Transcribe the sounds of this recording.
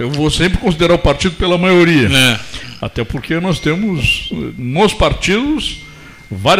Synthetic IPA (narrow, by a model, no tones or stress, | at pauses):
ewvosẽmpɾɪkõsid̪eɾaʊpaɾt͡ʃid̪ʊpelɐmajoɾiɐɛa̰t̪ɛpoɾkenɔst̪ẽmʊzɛnospaɾt͡ʃid̪ʊs | vaɾ